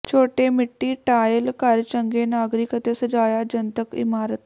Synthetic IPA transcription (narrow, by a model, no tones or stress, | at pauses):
t͡ɕʰoʈemiʈːiːʈajəlkaɾt͡ɕəŋɡenaɡɾikət̪esəd͡zajad͡ʑənt̪əkḭmaɾət̪